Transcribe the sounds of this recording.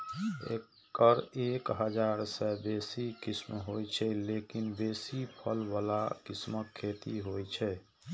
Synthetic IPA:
ḛkː | əɾekɦəd͡ʒaɾsɛbeːsikismɦojt͡ʃʰɛlekinbesipʰəlbalakisməkʰːet̪iɦojt͡ʃʰɛ

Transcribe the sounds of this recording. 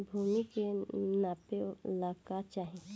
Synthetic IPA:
bʱuːmikenaːpelaːkat͡ʃaːɦẽ

